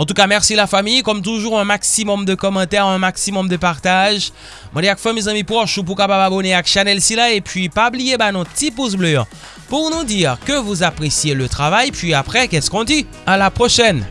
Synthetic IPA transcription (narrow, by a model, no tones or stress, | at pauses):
ɑ̃t̪ukamɛʁsilafamijkɔmt̪uʒuʁɛ̃maksimɔmd̪əkɔmɑ̃t̪ɛʁɛ̃maksimɔmd̪əpaʁt̪aʒ | mɑ̃d̪eakfɛ̃mezãmipχɔʃup̬uʁkapababɔneakʃanɛlsilaepɥipablijebanɔ̃t̪ipus̬blø | puʁnud̪iʁkəvuzapχesjelət̪χavajpɥiapχɛkɛskɔ̃d̪i | alapχoʃɛn